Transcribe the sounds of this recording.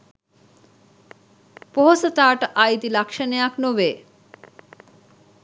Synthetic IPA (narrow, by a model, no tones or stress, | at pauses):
poɦosat̪aʈajd̪ilakʃaneaknobe